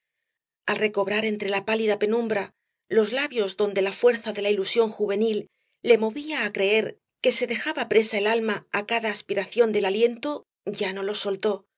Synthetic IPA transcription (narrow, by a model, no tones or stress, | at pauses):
alre̞ko̞βɾaɾe̞nt̪ɾe̞lapaliðape̞nũmbɾa | lo̞zlaβjo̞zðo̞nd̪e̞lafwe̞ɾθaðe̞lailusjo̞ŋxuβe̞nilː | e̞mo̞βiaːkɾe̞e̞ɾ | ke̞se̞ðe̞xaβapɾe̞sae̞lalmaakaðaːspiɾaθjo̞nd̪e̞lalje̞nt̪o̞ | ɟ͡ʝano̞lo̞so̞lt̪o̞